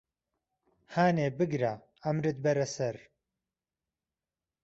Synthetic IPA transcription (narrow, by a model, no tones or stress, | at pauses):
haːneːbɨɡɾa | ɐmɾɨt̪̚bɐɾɐsɐɾ